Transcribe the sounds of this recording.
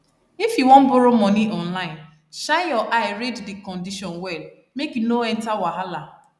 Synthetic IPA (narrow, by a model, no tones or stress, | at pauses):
ifiwɔ̃m̩bʊɾʊmɔniʔɔn̩laɪn | ʃãjɔʔaɪɾeddɪkɔ̃ndiʃɔnwɛl | mekinoɛn̩tawaɦala